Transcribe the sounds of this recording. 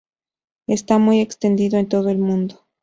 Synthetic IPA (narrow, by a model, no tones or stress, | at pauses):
est̪amuje̞kst̪end̪iðoe̞nt̪o̞ðoelmũnd̪o